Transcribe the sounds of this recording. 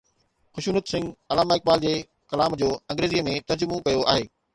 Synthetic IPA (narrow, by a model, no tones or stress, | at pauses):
xʊʃuːnət̪sɪ̃ŋɡɐlaːmaːɪk̚baːld͡ʑeː | kɐlaːmd͡ʑoːɐ̃ŋɡɾeːzijəmẽt̪ɐɾd͡ʑʊmokɐjoʔaːɦeː